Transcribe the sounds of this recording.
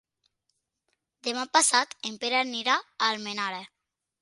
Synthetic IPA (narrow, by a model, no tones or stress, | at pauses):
d̪emapasat̪empeɾaniɾaːlmenaɾe